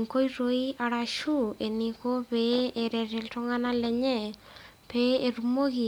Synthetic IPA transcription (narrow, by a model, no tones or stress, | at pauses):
ŋkojɾojaɾaʃuenikopeːɾɛɾɛltɔŋanalɛɲɛ | peeɾumoɡi